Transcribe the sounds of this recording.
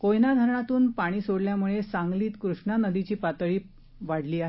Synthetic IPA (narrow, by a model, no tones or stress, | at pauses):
kojnad̪ʱəɾɳat̪uːnpaɽ̃iːsoɽljamuɭesaŋɡliːt̪kɾuʂɳanəd̪it͡ɕiːpat̪ɭiː | ʋaɽ̤liːaɦ